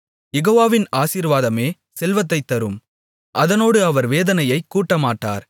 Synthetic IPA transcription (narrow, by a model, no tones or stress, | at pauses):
jɛɣoːʋaːʋɪnaːsiːɾʋaːðɐmeː | sɛlʋɐt̪̬ːɐɪt̪ːɐɾɯm | ʔɐðɐnoːɽɯɐʋɐɾʋeːðɐnɐjɐɪkːuːʈːɐmaːʈːa̰ːɾ